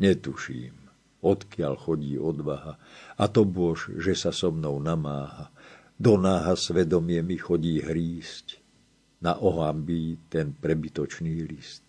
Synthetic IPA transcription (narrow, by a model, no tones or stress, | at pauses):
ɲɛt̪uʃḭːm | ɔt̪kɪaʎxɔɟiːʔɔd̪ʋaɦaat̪ɔbʊɔʃʒɛsasɔmnɔʊnamaːɦa | d̪ɔnaːɦasʋɛd̪ɔmɪɛmixɔɟiːɦɾiːsc | na̰ʔɔɦambiːt̪ɛnpɾɛbit̪ɔt͡ʃniːlist̪̚